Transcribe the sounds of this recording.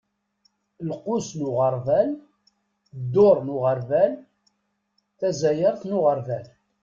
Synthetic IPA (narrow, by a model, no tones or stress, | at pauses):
lqʊsnʊʁəɾˤvæl | d̪ːʊɾˤnʊʁəɾvæl | θæzæjəɾˤθnʊʁəɾvæl